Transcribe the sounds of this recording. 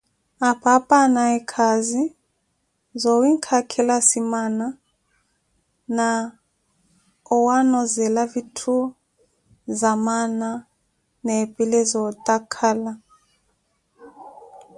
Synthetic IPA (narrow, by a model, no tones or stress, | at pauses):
apʰapʼanaɛkʰazi | zɔwiŋkʰakʰɛlasimana | na | ɔwanɔzɛlavitʰu | zamana | nɛpʼilɛzɔtʼakʰala